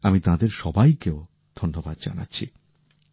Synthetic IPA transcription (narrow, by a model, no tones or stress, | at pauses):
amit̪ãd̪eɾʃɔbajkeo | d̪ʱonːobad̪̚d͡ʑa̰na̰tːɕʰḭ